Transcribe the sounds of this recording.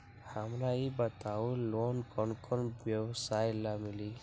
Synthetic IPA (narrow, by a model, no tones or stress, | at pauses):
hamɾaibət̪awlonkɔnkʰɔnbjewsajlamili